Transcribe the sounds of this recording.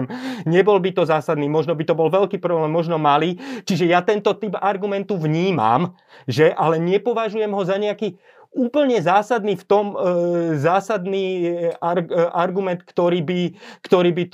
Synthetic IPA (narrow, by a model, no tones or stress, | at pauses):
mɲɛbɔlbit̪ɔzaːsad̪niːmɔʒnɔbit̪ɔbɔlʋɛʎkiːpɾɔblɛːmːɔʒnɔmaliːt͡ʃiʒɛjat̪ɛnt̪ɔt̪ibaɾɡumɛnt̪uʋɲiːma̰m | ʒɛʔalɛɲɛpɔʋaʒujɛmɦɔzaɲɛakiː | uːpl̩ɲɛzaːsad̪niːft̪ɔmzaːsad̪niːaɾʔaɾɡumɛnt̪kt̪ɔɾiːbikt̪ɔɾiːbit̪